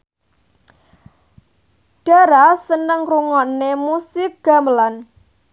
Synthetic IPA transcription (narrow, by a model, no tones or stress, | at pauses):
ɖ̥a̤ɾasənəŋruŋɔnemusɪk̚ɡ̥a̤məlan